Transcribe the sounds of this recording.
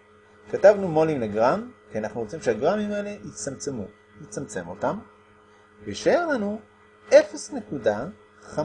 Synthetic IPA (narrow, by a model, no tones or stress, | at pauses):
katavnumo̞limleɡʁamkianaχnuʁot͡simʃeaɡʁamimaeleit͡samt͡semu | jit͡samt͡se̞mo̞tam | veʃaeʁlanu | e̞fesne̞kuda | χa